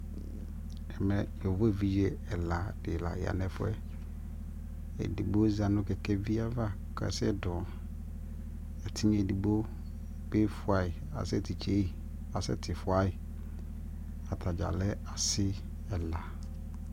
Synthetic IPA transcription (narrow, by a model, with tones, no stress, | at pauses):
ɛ˨m˨ɛ̃˨jɛ˨vɔ˦e˨vi˦jɛ˦ɛ˨la˨dɪ˨la̰˨ja̰˨nɛ̃˨fʊ˦ɛ˦ | ɛ̰˨di˨bo˦za˨nʊ̃˦kɛ˨kʰɛ˦vi˦a˦va˦ | kʰɛ̰˨sɛ˦dɔ˨ | ɛ˨tʰɪ˦ɲ˦ɛ˨di˨bo˦ | be˦fʊ˨a˨ɪ˨ | a̰˨sɛ˦tʰi˨t͡ʃʰe˦i˦˨ | a˨sɛ̰˦tʰɪ˨fʊ˨a˦ɪ˨ | a˨tʰa˨d͡ʒa̰˨lɛ˦a˨sɪ˦ | ɛ˨la˨